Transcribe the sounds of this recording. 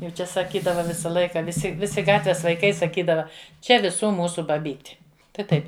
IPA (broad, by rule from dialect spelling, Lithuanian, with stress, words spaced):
jɛʊ ˈt͡ʃʲɛ sɐˈkʲiːdɐʋɐ ˈʋʲɪsɐ ˈlˠɐɪkɐ ʋʲɪˈsʲɪ ˈʋʲɪsʲɪ ˈɡɑːtʲʋʲɛs ʋɐɪˈkɐɪ sɐˈkʲiːdɐʋɐ ˈt͡ʃʲɛ ʋʲɪˈsuː ˈmuːsʊ bɐˈbʲiːtʲɪ tɐɪ ˈtɐɪp